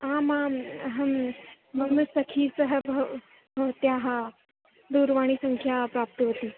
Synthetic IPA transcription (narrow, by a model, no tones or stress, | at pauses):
amaɦɐm | məɡnusəkʰiːsəɦəbʱ | bʱət̪jaɦa | d̪uɾʋaɽ̃iːsəŋkʰjapɾap̚t̪əɦot̪iː